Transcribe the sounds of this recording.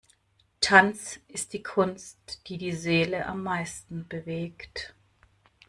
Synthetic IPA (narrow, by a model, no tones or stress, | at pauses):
tʰant͡sʔɪst̚d̥iːkʰʊnstd̥iːdiːzeːləʔa̰mːaɪstn̩bəveːkt